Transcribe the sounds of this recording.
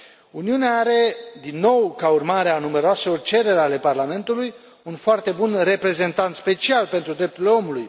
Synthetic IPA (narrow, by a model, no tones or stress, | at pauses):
uniuneaaɾe̞d̪inːo̞wkaurmaɾeanume̞ɾoase̞lo̞rt͡ʃe̞ɾe̞ɾeale̞parlame̞nt̪uluj | unfoart̪e̞bunre̞pɾe̞ze̞nt̪ant̪spe̞t͡ʃialpe̞nt̪ɾud̪ɾe̞p̚t̪uɾileo̞muluj